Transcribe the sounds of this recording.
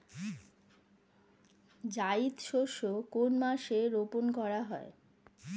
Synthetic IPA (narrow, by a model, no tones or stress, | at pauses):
d͡ʑaid̪ʃoʃokonmaʃeɾoponkɔɾaɦɔe